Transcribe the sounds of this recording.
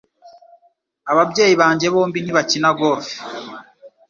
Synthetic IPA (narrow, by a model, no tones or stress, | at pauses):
aβabɟe̞ːjiβaːɲɟe̞βo̞ːmbiniβacinaɡo̞ːfi̥